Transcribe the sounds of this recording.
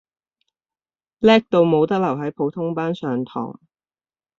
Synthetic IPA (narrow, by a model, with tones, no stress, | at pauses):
lɛː˥k̚t̪o˧wmo˨˧wt̪ɐ˥k̚lɐ˨˩wɦɐ˨˥jpʰo˨˥wt̪ʰʊ˥ŋpaː˥nsœː˨ŋt̪ʰɔ̰ː˨˩ŋ